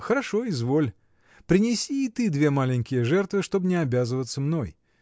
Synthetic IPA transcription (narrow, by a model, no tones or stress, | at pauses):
xəɾɐʂo̞ɪzvo̞lʲ | pɾʲɪnʲɪsʲiːt̪ɨd̪vʲe̞malʲɪnʲkʲɪjəʐɛrt̪vɨʂt̪o̞bnʲɪɐbʲazɨvət̪səmno̞j